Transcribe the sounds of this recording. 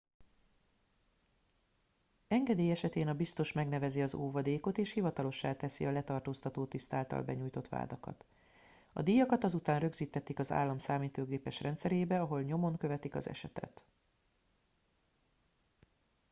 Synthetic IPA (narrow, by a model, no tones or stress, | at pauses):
ɛŋɡɛd̪eːjɛʃɛt̪eːnɒbist̪o̞ʃmɛɡnɛvɛziɒzoːvɒd̪eːko̞t̪eːʃhivɒt̪ɒlo̞ʃːaːt̪ɛsḭɒlɛt̪ɒrt̪oːst̪ɒt̪oːt̪ist̪aːlt̪ɒ̰lbɛɲuːjt̪o̞t̪ʋa̰ːd̪ɒkɒ̰t̪ | ɒ̰d̪ijɒkɒt̪ɒzut̪aːnrø̞ɡziːt̪ːɛt̪ːikɒza̰ːlːɒmsaːmiːt̪oːɡeːpɛʃrɛnt̪sɛɾeːbɛɒɦo̞lɲo̞mo̞ŋkø̞vɛt̪ikɒ̰zɛ̰ʃɛt̪ɛ̰t̪